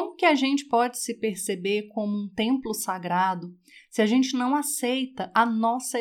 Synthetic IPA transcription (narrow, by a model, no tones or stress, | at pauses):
mʊkɪaʒẽnt͡ʃɪ̥pɔd͡ʒɪsɪpeɾsebeɾkõmʊũt̪ẽmplʊsaɡɾad̪ʊ | sɪaʒẽnt͡ʃɪnɐ̃w̃asejt̪ɐʔɐnɔsɐ